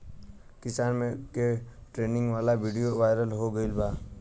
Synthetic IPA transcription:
kɪsaːnmẽkeʈɾeːnɪ̃ŋɡʋaːlaʋiːɖijoʋaːɪɾəlɦoɡəɪlbaː

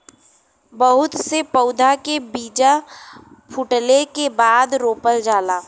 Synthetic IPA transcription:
bəɦʊt̪sepəʊd̪ʱakebiːd͡ʒa | pʰʊʈlekebaːd̪ɾoːpəld͡ʒaːlaː

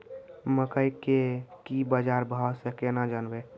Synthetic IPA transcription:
məkəjkekibəd͡ʒaɾbʱasẽkenad͡ʒənbe

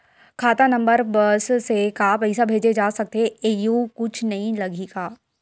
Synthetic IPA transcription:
kʰaːt̪anɐ̃mbəɾbɐssekapɐɪsabʱeːd͡ʒed͡ʒaːsɐk̚t̪eeeːjukʊt͡ʃʰnɐɦĩlɐɡiɡaː

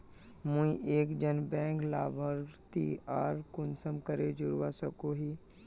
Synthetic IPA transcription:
mũĩʔeːkd͡ʒənbɛ̃ːŋklaːʋəɾt̪iaːɾkʊnsəmkəɾed͡ʒʊɾwasəkoɦiː

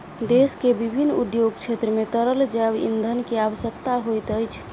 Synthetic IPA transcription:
d̪eskebibʱinːud̪joɡt͡ʃʰet̪ɾəmet̪əɾəld͡ʒabḭnd̪ʱənkeaʋəsjəkt̪aɦojt̪əjt͡ʃʰ

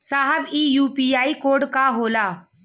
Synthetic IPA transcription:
saːɦəbiːjuːpiːaːikoːɖkaɦoːlaː

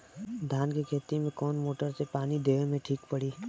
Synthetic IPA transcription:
d̪ʱaːnkikʰeːt̪imẽkɔːnmoːʈəɾsepaːnid̪eːʋmẽʈʰiːkpəɽiː

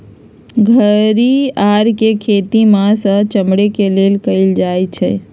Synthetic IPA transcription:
ɡʱəɾiaɾkekʰet̪imasə̃t͡ʃəmɽekelelkəɪld͡ʒajt͡ʃʰɛ̰

